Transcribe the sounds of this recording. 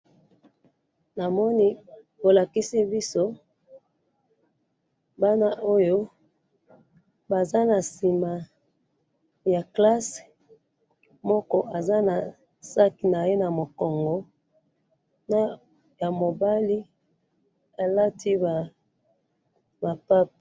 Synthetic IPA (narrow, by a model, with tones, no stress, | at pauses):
na˨mɔ˦ni˦ | bo˨la˨ki˦si˦bi˦so˦ | ba˦na˦ʔo˦jo˦ | ba˨za˦na˨si˨ma˨ | ja˨kla˦s | mɔ˦kɔ˦ʔa˨za˦na˨ | sa˦ki˨na˨je˦na˨mo˨kɔ˨ŋɡɔ˨ | na˦ | ja˨mo˨ba˦li˦ | a˨la˦tʰi˦ba˨ | ba˨pa˦p̚